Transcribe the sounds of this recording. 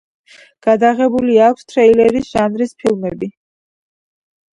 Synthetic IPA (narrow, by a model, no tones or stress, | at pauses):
ɡ̥ad̪aʁɛbuliakʰst̪ʰɾɛilɛɾisʒ̥anɾispʰilˠmɛbi